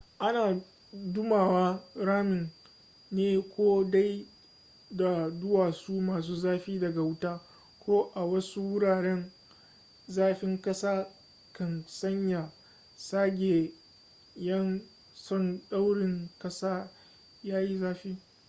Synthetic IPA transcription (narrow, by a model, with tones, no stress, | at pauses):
ʔa˦naː˨ | dʊ˦maː˨waː˦ɽaː˦mɪ˨n | neː˦kʷoː˦da˦j | da˨dʊ˦waː˨suː˦maː˨s̬uː˦zaː˦ɸiː˦dɐ˨ɡa˨wʊ˦taː˦ | kʷoː˦ʔa˨wɐ˦su˦wʊ˦ɽaː˨ɽɛ˦n | zaː˦ɸɪ˦ŋkɐ˦saː˦ | kɐ˨nsɐ˦ɲja˨ | saː˦ɡʲeː˨ | jɐ˦n | sɔ˦nɗa˦wɽɪ˨ŋkɐ˦saː˦ | jaː˦ji˦zaː˦ɸiː˦